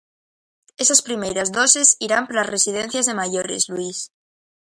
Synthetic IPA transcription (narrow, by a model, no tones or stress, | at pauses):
esaspɾimejɾazðosesiɾampɾasresið̞ẽn̟θjazðemaʝoɾezlwis